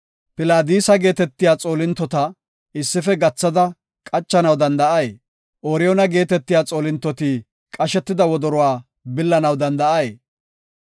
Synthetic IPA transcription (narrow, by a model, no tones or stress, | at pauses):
pɪlaːd̪iːsɐɡe̞ːt̪ɛt̪ːɪjaːt͡sʼo̞ːlɪnt̪ːɔt̪ɐ | ɪsːɪfɛɡɐt͡sːɐd̪ɐ | kʼɐt͡ʃːɐnɐwd̪ɐnd̪ɐʔɐje | ʔoːɾɪjɔnɐɡe̞ːt̪ɛt̪ːɪjaːt͡sʼo̞ːlɪnt̪ːɔt̪iː | kʼɐʃɛt̪ːɪd̪ɐwɔd̪ɔɾɔwaː | bɪlːɐnɐwd̪ɐnd̪ɐʔɐj